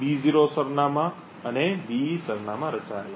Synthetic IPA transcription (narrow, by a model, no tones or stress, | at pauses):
biziɾosəɾnamã | ənebisəɾnamãɾət͡ʃa